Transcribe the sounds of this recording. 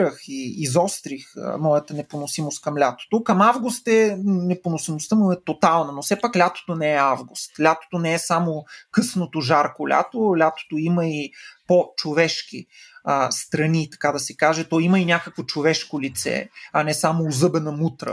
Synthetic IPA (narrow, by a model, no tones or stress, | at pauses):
əxiːzɔst̪ɾixə̰mɔjət̪ənɛponosimost̪̚kɐmlʲat̪o̥t̪okɐmavɡʊst̪ɛnɛponosimost̪əmuɛt̪ot̪alˠnɐnofsɛpaklʲat̪o̥t̪onɛɛavɡʊst̪lʲat̪o̥t̪onɛɛsamokɤsnot̪oʒaɾkolʲa̰t̪olʲat̪o̥t̪oiməipot͡ʃovɛʃk̟iəst̪ɾɐnit̪ɐ̥kad̪ɐsɛkaʒɛt̪ɔiməinʲakəkvot͡ʃovɛʃkolit̪sɛ̰ɐnɛsamoːzɤbɛnəmut̪ɾə̰